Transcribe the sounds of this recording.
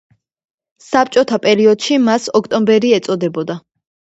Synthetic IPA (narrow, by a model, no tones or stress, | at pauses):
sap̚t͡ʃʼɔt̪ʰapʼɛɾiɔd̪̥ʃimasɔkʰt̪ʼɔmbɛɾiɛt̪sʼɔd̪ɛbɔd̪a